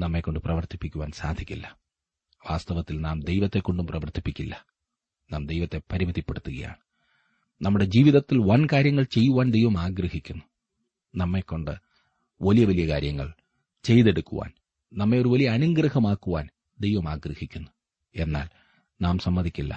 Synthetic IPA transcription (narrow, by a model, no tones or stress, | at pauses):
nɐmːe̞kːo̞ɳɖɨprɐʋɐrt̪ipːikʲːuʋaːnsaːd̪ʱikʲːilːɐ | ʋaːst̪ɐʋɐt̪ːilnaːmd̪e̞jʋɐt̪ːe̞kːoɳɖumprɐʋɐrt̪ipːikʲːilːɐ | naːmd̪ejʋɐt̪ːe̞pɐɾimɐðipːe̞ɽut̪ːuɣɐ̰ja̰ːɳɨ | nɐmːuɽe̞d͡ʑiːʋiðɐt̪ːilʋɐnkaːɾjɐŋːɐɭt͡ɕe̞jːuʋaːnd̪e̞jʋɐmaːɡɾɐhikʲːunːu | nɐmːe̞kːo̞ɳɖɨ | ʋɐlijɐʋɐlijɐkaːɾjɐŋːɐ̰ɭ | t͡ɕe̞jðe̞ɽukːuʋa̰ːn | nɐmːe̞o̞ɾuʋɐlijɐːnuŋɡɾɐhɐmaːkːuʋa̰ːn | d̪e̞jʋɐmaːɡrɐhikʲːunːu | e̞nːa̰ːl | naːmsɐmːɐd̪ʱikʲːilːɐ̰